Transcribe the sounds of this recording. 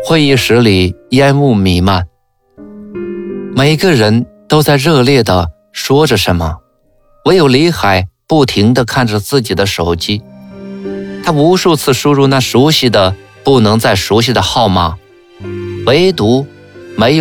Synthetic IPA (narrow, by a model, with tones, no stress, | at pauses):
xwe˥˧ɪi˥˩ʂɻ̩˧˥li˨˩jɛ˥nu˥˩mi˨˩ma˥˩n | me˨˩ɪɡə˧ɻə˧˥nt̪o˥ʊt͡sa˥˧ɪɻɤ˥˧ljɛ˥˩d̪ə˩ | ʂwɔ˥ʈ͡ʂə˨˩ʂə˧˥nmə̰˧ | wɔ˧˥ɪjo˨˩ʊli˧˥xa˨˩˦ɪpu˥˩t̪ʰi˧˥ŋd̪ə˧kʰa˥˩nʈ͡ʂə˩t͡sɹ̩˥˩t͡ɕi˨˩d̪ə˦ʂo˨˩ʊt͡ɕi˥ | t̪ʰa˥u˧˥ʂu˥˧t͡sʰɹ̩˥˩ʂu˥ɻu˥˧na˥˩ʂu˧˥ɕi˥˩d̪ə˩ | pu˥˩nɤ˧˥ŋt͡sa˥˩ɪʂu˧˥ɕ̬i˧˩d̪ə˩xɑ˥˧ʊma˥˩ | we˧˥ɪt̪u˧˥ | me˧˥ɪj